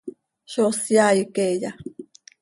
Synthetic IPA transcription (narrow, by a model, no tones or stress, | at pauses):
ʃosjajəkeja